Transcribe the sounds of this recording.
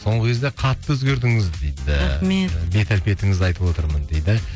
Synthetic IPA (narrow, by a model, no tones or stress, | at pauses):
so̞ɴʁəkʲʰe̞zd̪eqʰɑt̪ːəɵzɡʲeɾd̪ɪŋɪzd̪ejd̪ɪɾamebe̞t̪ælpe̞t̪ɪŋɪzɑjt̪əbwo̞t̪əɾmənd̪ejd̪ɪ